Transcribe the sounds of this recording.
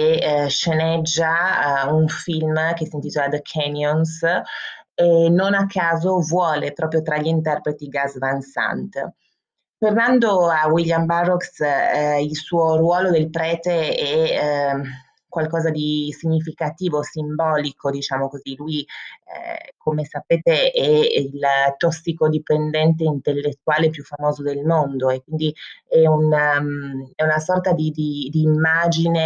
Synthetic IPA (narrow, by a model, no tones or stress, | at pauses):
eʃenɛd͡ʒːauɱfilmk̟esint̪iːt̪olad̪əkʰɛnjons | enːonakʰːaːzovwɔːlepɾɔːpɾjot̪ɾaʎːint̪ɛrpɾet̪iɡazvansa̰nt̪ | pernand̪oawiljambarːɔks | ilsuːorwɔːlod̪elpɾɛːt̪eɛ | kwalkɔːzad̪isiɲːifikat̪iːvosimbɔːlikʰod̪it͡ʃaːmokoziluiɛ̰komesapeːt̪eɛilt̪ɔsːikod̪ipend̪ɛnt̪eint̪elːet̪ːuaːlepjufːamoːzod̪elmond̪oekwind̪iɛun | ɛunasɔrt̪ad̪id̪id̪iːmːaːd͡ʒine